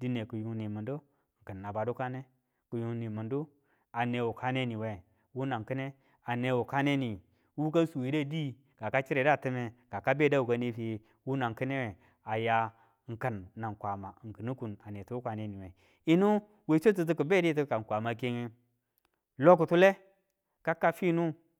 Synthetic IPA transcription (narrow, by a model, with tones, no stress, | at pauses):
di˦ne˨ku˨ju˨ŋ˦ni˨mu˨ndo˦ | ŋ̩˨kə˨nː˨a˨ba˨do˦ka˦ne˦ | ku˨ju˨˦ŋ˦ni˨mu˨ndu˦ | a˨ne˨wu˨ka˦ne˦ni˨we˦˨ | wu˦na˨ŋ˨kɨ˦ne˦ | a˨ne˨wu˨ka˦ne˦ni˨ | wu˦k̬a˦su˨wi˨˦da˦˨di˦ | ɡ̥a˨ka˦t͡ʃi˦ɾe˨da˦˨tɨ˦me˦ɡ̥a˨ka˦be˦˨da˦wu˨ka˦ni˦fi˦ | wu˦na˨ŋ˨ki˦ne˦we˨ | a˨ja˨˦ | ŋ̩˨ka˨nːa˨ŋkʷa˨ma˨ŋ̩˨kɨ˨nu˦ku˨na˨ne˨tu˦wu˦kʷa˨ne˦ni˨we˨ | i˦nu˦ | we˨˦t͡ʃo˦t̬u˦t̬u˦ku˨be˦di˦t̬u˦ka˨ŋ˨kʷa˨ma˨ke˦ŋi˦ | lo˦k̬u˨tu˦le˦ | ka˦kːa˦fi˦nu˦